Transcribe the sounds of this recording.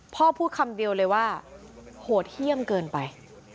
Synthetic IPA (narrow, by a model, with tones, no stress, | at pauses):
pʰɔː˥˩pʰuː˥˩kʰa˧mdi˧əwlɤː˧jwaː˥˩ | hoː˩˦t̪̚hi˥˩əmkɤː˧npa˧j